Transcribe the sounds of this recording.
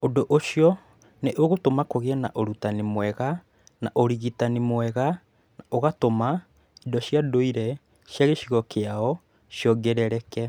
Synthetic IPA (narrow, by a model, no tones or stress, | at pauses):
odoʔoʃjɔ | neʔoɣotomakoɣeɛna̰ʔoɾutanimwɛɣa | naʔoɾiɣitanimwɛɣa | naoɣatoma | idɔʃiadoiɾɛ | ʃjaɣeʃiɣɔkʰeaɔ | ʃjɔɡɛɾɛɾɛkɛ